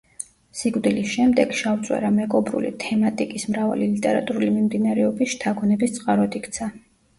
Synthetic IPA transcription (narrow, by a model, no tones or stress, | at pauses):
siɡvd̪ilisʃɛmd̪ɛɡ̥ʃaut̪sʼwɛ̰ɾamɛɡʼɔbɾṵlḭt̪ʰɛmat̪ʼikʼismɾava̰lilit̪ʼɛɾa̰t̪ʼuɾulimimd̪inaɾɛɔbisʃt̪ʰaɡɔnɛbist̪sʼqʼaɾɔd̪ikʰt̪sʰa